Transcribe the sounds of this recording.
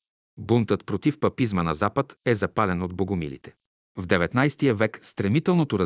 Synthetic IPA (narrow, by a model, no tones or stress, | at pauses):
bunt̪ət̪pɾot̪ifpɐpizmənɐzapət̪ɛzɐpalɛnod̪̚boɡʊmḭlḭt̪ɛ̥ | vd̪ɛvɛt̪najst̪ijəvɛkst̪ɾɛmit̪ɛlˠnot̪oɾɐ